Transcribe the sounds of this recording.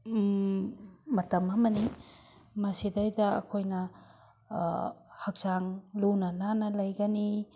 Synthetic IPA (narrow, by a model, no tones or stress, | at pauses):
mɐtɐmɐmɐni | mɐsidajdɐɐ̰kʰojnɐ | hɐk̚z̥aŋlunɐnanɐlɐjɡɐni